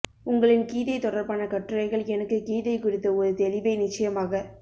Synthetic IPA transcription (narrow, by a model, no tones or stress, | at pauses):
ʊŋɡɐɭɪnkiːðɐɪt̪ɔɽɐɾpaːnɐkɐʈːɯɾɐɪɣɐɭɛnɐkːɯkiːðɐɪkʊɽɪt̪ːɐɔɾɯt̪ɛlɪʋɐɪnɪt͡ʃːɐjɐmaːɣɐ